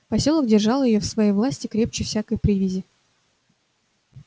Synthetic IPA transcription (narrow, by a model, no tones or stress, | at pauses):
pɐsʲolˠəkdʲɪrʐɑlˠjɪjofsvɐjejvlˠasʲtʲɪkɾʲe̞p̚t͡ɕɪfsʲakəjpɾʲivʲɪzʲɪ